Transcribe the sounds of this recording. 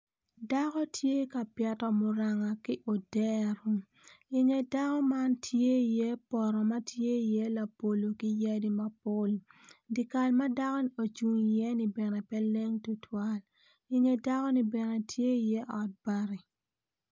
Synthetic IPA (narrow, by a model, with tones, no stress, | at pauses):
da˦kɔ˦tʰje˦ka˨pjɛ˨tɔ˨mʊ˨ɾa˨ŋa˨ki˦ʔo˨dɛ˦ɾu˦ | i˨ŋe˨da˦kɔ˦ma˦ntʰje˦i˨je˦pɔ˨ɾɔ˨ma˦tʰje˦i˨je˦la˨po˨lo˨ki˦ja˦di˦ma˦po˦ldi˨ka˨lma˦da˦kɔ˦nio˨t͡ʃu˨ŋje˦ni˨bɛ˨nɛ˨pɛ˦le˦ŋtu˨twa˦l | i˨ŋe˨da˦kɔ˦ni˨bɛ˨nɛ˨tʰje˦i˨je˦ʔɔ˨t̚b̥a˦ɾi˨